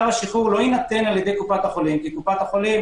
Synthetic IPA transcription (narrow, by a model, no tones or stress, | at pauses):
vaʃiχuʁlo̞inat̪e̞naljed̪e̞jkupat̪haχo̞limkikupat̪haχo̞lim